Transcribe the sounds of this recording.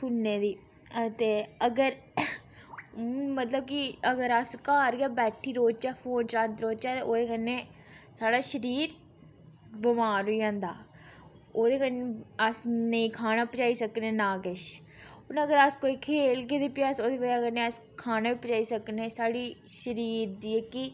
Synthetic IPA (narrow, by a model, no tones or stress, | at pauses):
kʊnːeːd̪iː | t̪eːəɡəɾ | mət̪ləb̚kiəɡəɾəskaːɾɡaːbɛːʈʰiːɾoːt͡ʃɛːpʰoːnt͡ʃãnt̪ɾoːt͡ʃɛːt̪eoːd̪eːkənːẽː | saːɽaːʃəɾiːɾ | bəmaːɾʊiːãːnd̪a̰ː | oːd̪eːkəneəsnəĩkʰaːnaːpət͡ʃaːisəknẽːnaːɡəʃ | ʊnəɡəɾəskoːikʰeːlkeːd̪eːpjasoːd̪eːkəakənẽːəskʰaːnaːipət͡ʃaːisəknẽːsaːɽiːʃəɾiːɾd̪iːeːkɪ